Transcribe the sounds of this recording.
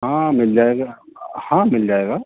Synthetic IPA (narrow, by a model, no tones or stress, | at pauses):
ɦãːmɪld͡ʒaːeɡahãmɪld͡ʒaːeɡa